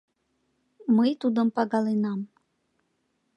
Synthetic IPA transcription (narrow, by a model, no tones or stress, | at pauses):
məjt̪ud̪əmpɑɣɑlenɑm